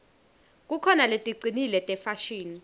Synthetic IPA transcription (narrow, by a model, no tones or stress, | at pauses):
k̬ʼukʰɔnaletʼiǀʱinilɛtʼɛfaʃiːni